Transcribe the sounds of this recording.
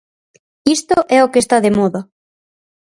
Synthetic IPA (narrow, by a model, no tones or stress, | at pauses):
ist̪oʔɛokest̪aðemɔða